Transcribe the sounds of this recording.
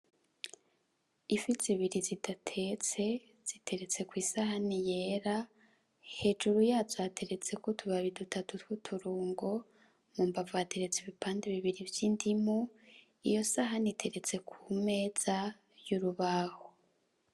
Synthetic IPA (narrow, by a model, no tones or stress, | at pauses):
ifiziβiɾizidatʰe̞t͡se̞ | z̥itʰe̞ɾe̞t͡se̞kwiːsahanije̞ɾa | he̞ːd͡ʒuɾujazwaːtʰe̞ɾe̞t͡se̞kotʰuβaβidutʰatutwutʰuɾuːŋɡo̞ | muːmbavaːtʰeɾet͡siβipaːndeβiβiɾivjindimu | ḭjo̞saɦanitʰe̞ɾe̞t͡se̞kʰume̞ːz̥a | juɾuβaho